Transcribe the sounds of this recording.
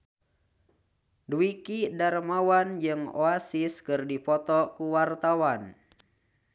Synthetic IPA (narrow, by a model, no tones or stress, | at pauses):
duikidarmawand͡ʒɨŋo̰asiskɨrdipɔt̪ɔkuwart̪awan